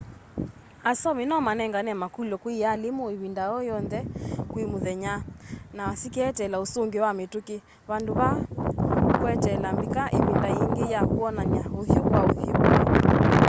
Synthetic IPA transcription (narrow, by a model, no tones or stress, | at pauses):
asɔminɔmanɛŋɡanɛmakulɔkwialimuiβindaɔjɔnðɛkwimuðɛɲanawasikɛtɛlausuŋɡiwamituki | βanduβa | kwɛtɛlambikaʔiβindaiŋɡijakuɔnaɲauhjukwauhjuk